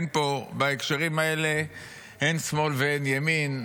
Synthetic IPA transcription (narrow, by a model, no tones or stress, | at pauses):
npo̞baekʃaʁimae̞le̞ | hensmo̞lveenjamin